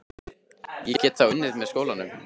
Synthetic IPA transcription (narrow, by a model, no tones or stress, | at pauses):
jɛcɛːt̪θawʏnːɪðmɛðskoːwlanʏm